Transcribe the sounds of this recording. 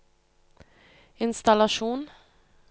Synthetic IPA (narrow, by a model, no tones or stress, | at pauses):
ɪnst̪alaʂuːn